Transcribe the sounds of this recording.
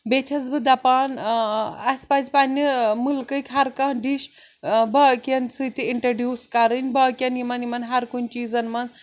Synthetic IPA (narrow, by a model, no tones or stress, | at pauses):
bet͡ʃʰɐzbɨd̪ɐpaːn | ɐsʲpɐzpɐnʲːimulkɨkʲɦɐɾkɐɖiʃ | bɐkʲɐnsɨt̪ʰiiɳʈɾoɖjuːskɐɾɨnʲbɐkʲɐnimɐnimɐnɦɐɾkunʲt͡ʃiːzɐnmɐn